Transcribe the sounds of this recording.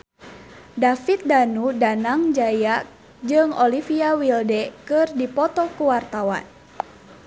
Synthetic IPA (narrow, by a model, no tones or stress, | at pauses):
dafit̪̚danudanaŋd͡ʒaja | d͡ʒɨŋɔlifiawildɛkɨrdipɔt̪ɔkuwart̪awa̰n